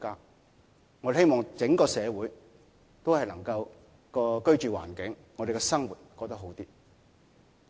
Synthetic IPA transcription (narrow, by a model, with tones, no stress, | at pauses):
kaː˥ | ŋɔ˨˧˥de˨he˥jmɔː˨ŋt͡sɪ˨˥ŋkɔː˧sɛː˨˧wuː˨˥j | t̪o˥whɐ˨jlɐ˨˩ŋkɐ˧w | kɔː˧kɵ˥ɥt͡ʃyː˨˩wa̰ː˨˩nkɪ˨˥ŋːɔ˨˧ɾe˨jkɛ˧sɐ˥ŋwuː˨˩t̚kɔː˧k̚t̪̚ɦo˨˥wt̪iː˥